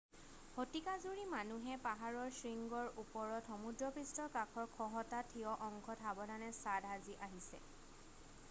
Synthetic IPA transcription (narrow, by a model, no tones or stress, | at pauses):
hotikazuɹimanuɦɛpaɦaɹɔɹsɹiŋɡɔɹupɔɹɔtxɔmudɹɔpistɔkakʰɔɹkʰɔɦɔtatʰiɔʔɔŋɡʰʱɔtʰabɔdanɛsadɦaziʔaɦisɛ̰